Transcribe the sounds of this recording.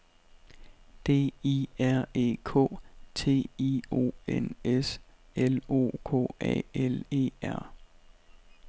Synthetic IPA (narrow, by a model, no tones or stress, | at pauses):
d̥e̝̰ːiæɐ̰e̝̰ːkʰɔ̰̽ːt͡sʰe̝̰ːio̝̰ːeneselo̝̰ːkʰɔ̰ːɛ̰ːele̝̰ːæɐ̰